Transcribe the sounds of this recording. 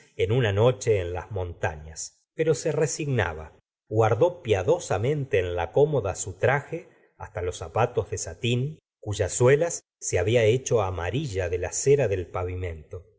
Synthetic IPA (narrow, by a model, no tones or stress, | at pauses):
enunano̞t͡ʃe̞ːnla̰zmõ̞nt̪a̰ɲas | peɾo̞seresiɣna̰βa̰ | ɣwaɾðo̞pjaðo̞samẽ̞nt̪e̞ːnlako̞moðasut̪ɾaxe | ast̪alo̞sapat̪o̞zðesat̪in | kuʒaswelasː | eaβiaet͡ʃo̞amaɾiʒaðe̞laseɾaðe̞lpaβimẽ̞nt̪o̞